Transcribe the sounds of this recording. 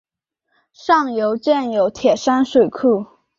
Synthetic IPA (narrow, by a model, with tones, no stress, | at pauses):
ʂɑ˥˩ŋjo˧˥ʊt͡ɕjɛ˥˩njo˧˥ʊt̪ʰjɛ˨˩ʂa˥nʂwe˨˩ɪkʰu˥˩